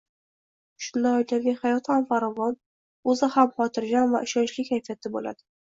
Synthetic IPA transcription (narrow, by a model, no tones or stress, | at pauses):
ʃʊnd̪anojt̪ʰaɾɡʲanhajɒt̪hamfaɾɒvɒn | ɵzɪhamχɒt̪ʰɪɾɡʲanva̰ʔɪʃɒnʃlɪkʲʰajfijat̪ʰɪbola̰d̪ɪ